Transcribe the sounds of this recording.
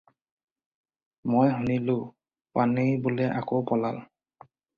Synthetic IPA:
mojɦunilʊ | panejbʊlɛʔakowpɔlal

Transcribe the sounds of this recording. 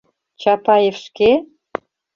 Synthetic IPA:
t͡ɕɑpɑjefʃke

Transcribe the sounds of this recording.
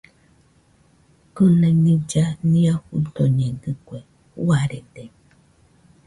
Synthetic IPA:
kunẽnĩd͡ʒanĩahut̪oɲẽɡɯkʷe | waɾed̪e

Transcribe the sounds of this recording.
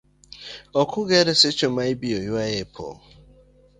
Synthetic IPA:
ɔkʊɡeɾesɪt͡ʃomaibiojuajepʰo̰

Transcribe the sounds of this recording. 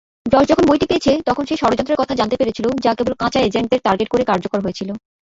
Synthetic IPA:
ɖɔʃd͡ʑɔkʰonbojʈipeet͡ɕʰet̪ɔkʰonʃeʃɔɾod͡ʑɔnt̪ɾeɾkɔt̪ʰad͡ʑant̪epeɾet͡ɕʰilod͡ʑakebolkãt͡ɕaed͡ʑeɳʈ̚eɾʈaɾɡeʈ̚koɾekaɾd͡ʑokoɾɦojet͡ɕʰilo

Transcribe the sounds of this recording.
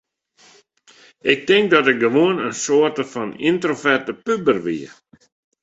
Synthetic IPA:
ɪk̚tɪŋk̚dɔtɪɡəʋoənənsoətəfɔnintrofɛrtəpybərʋiə

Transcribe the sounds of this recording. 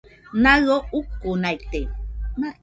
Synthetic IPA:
naɰoukːonajt̪e

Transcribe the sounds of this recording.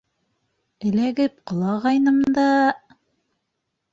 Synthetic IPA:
ɘ̆læɡɘp̚qɤ̆lˠɑʁɑjnɤ̆md̪ɑ

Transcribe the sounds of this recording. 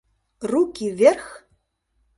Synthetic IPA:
rukʰʲivʲerx

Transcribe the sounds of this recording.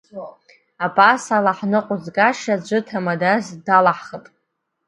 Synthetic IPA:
apʼasalaħnɨqʷʼʊzɡʼaʃad͡ʒʷɨtʰamadazdalaħχəpʼ

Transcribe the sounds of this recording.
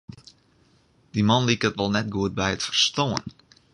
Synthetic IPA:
d̥imɑnlikətʋɔlˠnɛtɡuət̚bɛjətfərstoə̰n

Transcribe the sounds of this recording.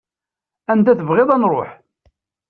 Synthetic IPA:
ænt̪æθəvʁɪðˤænrˤo̰ħ

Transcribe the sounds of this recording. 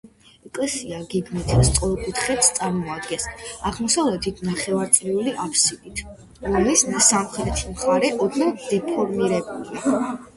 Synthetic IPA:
ɛkʼlɛsiaɡɛɡmɛt̪ʰst̪sʼqʼɔlˠkʼut̪ʰχɛt̪st̪sʼaɾmɔad̪ɡɛnsaʁmɔsavlɛt̪ʰit̪ʰnaχɛvaɾt̪sʼliuliʔapʰsid̪it̪ʰ | ɾɔmlisnasamχɾɛt̪ʰimχaɾɛʔɔd̪nad̪̥ɛpʰɔɾmiɾɛbulia

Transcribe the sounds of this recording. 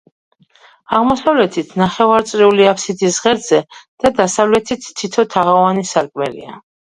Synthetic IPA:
aʁmɔsavlɛt̪ʰit̪ʰnaχɛvaɾt̪sʼɾiuliapʰsid̪isʁɛɾz̥ɛd̪̥ad̪asavlɛt̪ʰit̪ʰːit̪ʰɔt̪ʰaʁavanisaɾkʼmɛlḭa̰

